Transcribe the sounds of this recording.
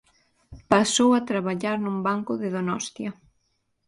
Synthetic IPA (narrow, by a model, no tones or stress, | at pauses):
pasowat̪ɾaβaʎaɾnumbaŋkʊðɪðonɔst̪jɐ